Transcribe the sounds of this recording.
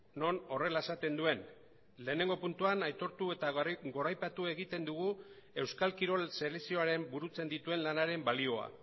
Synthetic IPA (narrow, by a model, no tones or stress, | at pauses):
no̞no̞re̞lae̞sat̪e̞nd̪ue̞n | le̞ːne̞ŋɡo̞punt̪uanajt̪o̞ɾt̪ue̞t̪aɡo̞ɾajpat̪ue̞ɣit̪e̞nd̪uɣ̞ue̞wskalkiɾo̞lse̞ɾβisio̞aɾe̞mbuɾut͡se̞nd̪it̪ue̞nlanaɾe̞mbalio̞a̰